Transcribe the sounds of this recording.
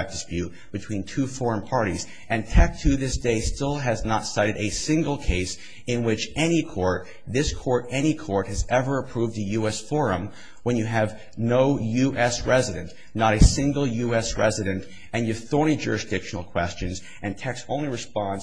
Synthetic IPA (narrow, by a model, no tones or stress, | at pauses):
k̚d̥ɨspjʉt̚b̥ɨtʰw̥ĩntʰʉfɔɹə̃npʰɑɹɾiz | ʔɨ̃ntʰɛk̚tʰʉðɪsd̥eɪstɪlˠɨznətsaɪɾɨɾɨsɪ̃ŋɡl̩ˠkʰeɪs | ɨ̃nwɪt͡ʃɛnikʰɔɹt̪̚ | ðɪskʰɔɹɾɛñikʰɔɹt̚hɨzɛvə˞ɨpʰɹ̥uvðɨjʉɛsfɔɹɨ̃m | wə̃njɨɨv | noʊjʉʔɛsɹɛzɨɾɨ̃n | nəɾɨsɪ̃ŋɡl̩ˠjʉɛsɹɛ̰zɨɾɨ̃nt | ɨ̃njɨv̥θɔɹñid͡ʒʊ̰ɹɨsd̥ɪkʃn̩l̩ˠkʰw̥ɛst͡ʃɨ̃nz | ʔɨ̃ntʰɛksõ̰ʊ̃nliɹɨspɑ̃n